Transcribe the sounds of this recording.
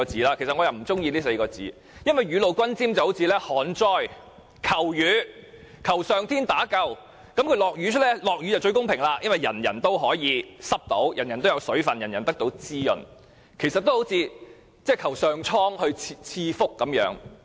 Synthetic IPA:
ɔ˧t͡siː˨˥laː˧kʰe˨˩sɐ˨ŋɔː˨˧jɐ˨wm̩˨˩t͡sʊ˥ŋjiː˧liː˥se˧jkɔː˧t͡sḭː˨˥ | jɐ˥nwɐ˨˩jɥyː˨˧lo˨wkʷɐ˥nt͡siː˥mt͡sɐ˨who˨˥wt͡sʰiː˧lɛː˥hɔː˨˥nt͡sɔː˥j | kʰɐ˨˩wjyː˨˧˥ | kʰɐ˨˩wsœː˨ŋt̪ʰiː˥nt̪aː˨˥kɐ˧w | kɐ˨˥mkʰlɔː˨k̚jyː˨˧t͡ʃʰɵ˥t̚lɛ˥lɔː˨k̚ɥyː˨˧˥t͡sɐ˨wt͡ʃɵ˧ɥkʊ˥ŋpʰɪ˨˩ŋlaː˧jɐ˥nwʋɐ˨jɐ̰˨˩njɐ̰˨˩nt̪o˥wɦɔː˨˥jiː˨˧sɐ˥p̚t̪o̰˨˥wjɐ˨˩njɐ˨˩nt̪o˥wjɐ˨˧wsɵ˨˥ɥfɐ˨njɐ˨˩njɐ˨˩nt̪ɐ˥k̚t̪o˨˥wt͡siː˥jɵ̰˨˩n | kʰe˨˩sɐ˨t̪ːwho˨˥wt͡sʰiː˧ | t͡sɛː˥˩jkʰɐ˨˩wsœː˨ŋt͡ʃʰɔː˥ŋhɵ˧ɥʰt͡sʰiː˧fʊ˥kːɐ˨˦mjœ̰ː˨˥ŋ

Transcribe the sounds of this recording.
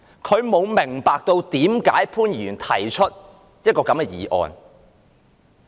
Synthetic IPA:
kʰɵ˨˧ɥmo˨˧wmɪ˨˩ŋpaː˨˧k̚t̪o˧wt̪iː˨˥mkaː˨˥jpʰuː˥njyː˨˩nt̪ʰɐ˨˩jt͡ʃʰɵ˥t̚ | jɐ˥t̚kɔː˧kɐ˨˥mkɛː˧jiː˨˧ʔɔ̰ː˨n

